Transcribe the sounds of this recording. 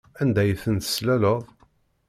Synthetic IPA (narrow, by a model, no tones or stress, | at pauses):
ænd̪æjθənt̪ə̥slæləðˤ